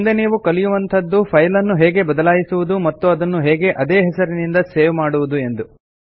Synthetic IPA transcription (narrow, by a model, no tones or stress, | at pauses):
nd̪eniːʋukɐlijuʋɐnt̪ʰɐd̪ːupʰɐjlɐnːuɦeːɡe̞bɐd̪ɐlaːjisuʋud̪umɐt̪ːuɐd̪ɐnːuɦeːɡe̞ʔɐd̪eːɦɛsɐɾinind̪ɐseːʋmaːɽuʋud̪ue̞nd̪u